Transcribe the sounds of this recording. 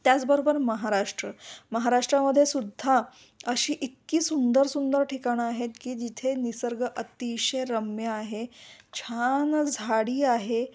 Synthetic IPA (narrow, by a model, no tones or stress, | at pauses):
t̪jat͡sbəɾobəɾməɦaɾaʂʈɾəməɦaɾaʂʈɾaməd̪ʱːjesud̪ʱːa | əɕiːʔik̪kiːsund̪əɾsund̪əɾʈʰikaɽ̃iaɦet̪kiːd͡ʑit̪ʰenisəɾɡəʔət̪iɕeɾəmjəaɦet͡ɕʰand͡zʱaɽiːaɦe